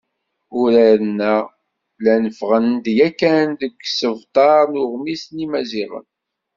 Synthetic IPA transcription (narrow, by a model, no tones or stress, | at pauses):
ʊɾæɾənːæ | lænəfʁənd̪jækːænd̪əɡsəvt̪ˤɑɾˤnʊʁmisnimæziʁə̰n